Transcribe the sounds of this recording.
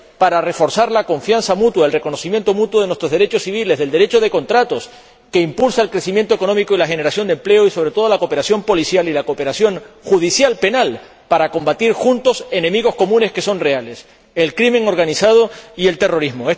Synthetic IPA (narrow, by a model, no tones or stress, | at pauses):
paɾare̞fo̞ɾsaɾlako̞ɱfjansamut̪waelre̞ko̞no̞simje̞nt̪o̞mut̪woðnwest̪ɾozðeɾe̞t͡ʃo̞sːiβ̞ile̞zðeld̪eɾe̞t͡ʃoð̞e̞ko̞nt̪ɾat̪o̞s | ke̞impulsaelkɾe̞simje̞nt̪oko̞nõ̞mikoilaxe̞ne̞ɾasjond̪emple̞oiso̞β̞ɾe̞t̪o̞ð̞olako̞pe̞ɾasjo̞mpo̞lisjalilako̞pe̞ɾasjo̞ŋxuð̞isjalpe̞nal | paɾako̞mbat̪iɾxunt̪o̞se̞ne̞miɣ̞o̞sko̞mũne̞ske̞so̞nre̞ale̞s | e̞lkɾimẽ̞ŋo̞ɾɣanisað̞o̞ie̞lt̪e̞ro̞ɾizmoe